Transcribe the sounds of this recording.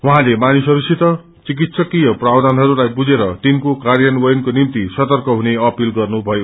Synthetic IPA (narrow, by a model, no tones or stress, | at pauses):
wʌɦãlemanusʌɾusit̪ʌ | t͡sik̬it̪sʌkijʌprawd̪ʱanɦʌɾulajbud͡zeɾʌt̪inkokarjʌnwʌjnkonimt̪isʌt̪ʌrkʌɦuneʌpilɡʌrnubʱʌjo